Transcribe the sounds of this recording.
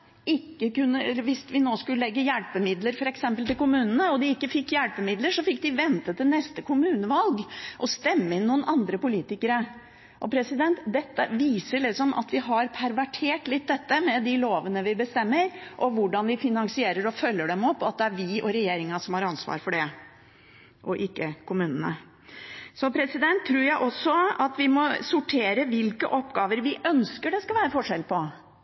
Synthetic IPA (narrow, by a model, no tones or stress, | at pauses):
ɪkːəkʉnːəʋɪsʋɪnoːskʉləlɛɡːəjɛlpəmɪd̪ləɾfɔɾɛksɛmpəlt̪ɪlkʊmʉːnənəɔd̪ɪɪkːəfɪkːjɛlpəmɪd̪ləʂɔfɪk̚ːd̪ɪʋɛnt̪ət̪ːɪlnɛst̪əkʰʊmʉːnəʋɑlɡʔɔst̪ɛmːəɪnːuːənʔɑnd̪ɾəpʊliːt̪ɪkəɾə | ʔɔpʰɾɛsɪd̪ɛnt̪d̪ɛt̪ːəʋiːsəɭɪksɔmʔɑ̰t̪ʋɪɦɑɾpʰæɾʋæʈʰeːʈlɪt̪̚d̪ɛt̪ːəmɛd̪ɪloːʋənəʋɪbəst̪ɛmːəɾʔɔʋʊɖɑnʋɪfɪnɑŋsɪeːɾəɾɔfœlːəɖɛmɔpːɑt̪̚d̪ɛæɾʋɪʔɔɾɛjeːɾɪŋɑsɔmhɑɾɑnsʋɑ̰ːɾfɔɖɛ | ʔɔʔɪkːəkʰʊmʉːnənə̰ | sɔpʰɾɛsɪd̪ɛnt̪ʰːɾʉːɾjæɪʔɔsːɔɑt̪ʋɪmɔsʊʈʰeːɾəʋɪlkə̰ʔɔpːɡɑːʋəɾʋɪʔœnskəɖɛskɑʋæːɾəfɔʂɛlpʰɔ